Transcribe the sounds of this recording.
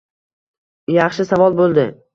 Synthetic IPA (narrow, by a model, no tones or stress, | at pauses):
jɑχʃɪsavɒlˠbolˠd̪ɪ